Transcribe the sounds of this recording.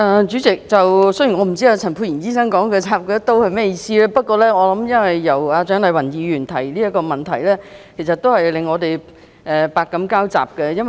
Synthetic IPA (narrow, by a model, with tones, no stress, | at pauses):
ʔɛː˧t͡ʃyː˨˥t͡sɪ˨k̚t͡sɐ˨wsɵ˥ji˨˩nŋɔː˨˧m̩˨˩t͡si˥aː˧t͡sʰɐ˨˩npʰu˧jiː˨˩nt͡siː˥sɐ˥ŋkɔː˨˥ŋkɛː˧t͡saː˨˩p̚kœː˨˥t̪o˥whɐ˨jmɛː˥jiː˧siː˥lɛː˥pɐ˥t̚kʷɔː˧lɛː˥ŋɔː˨˧lɐ˨˥mjɐ˥nwɐ˨jːɐ˨˩waː˨˧t͡ʃœː˨˥ŋlɐ˨˥jwɐ˨˩njiː˨˧jyː˨˩nt̪ʰɐ˨˩jliː˥ɐ˥tkɔː˧mɐ˨nt̪ʰɐ˨˩jlɛː˥kʰsɐ˨t̪o˥whɐ˨jlɪ˨ŋːɔː˨˧t̪e˨j | ʔɛː˨paː˨˧kːɐ˨˥mkaː˥wt͡sa̰ː˨p̚kɛ˧jɐ˥n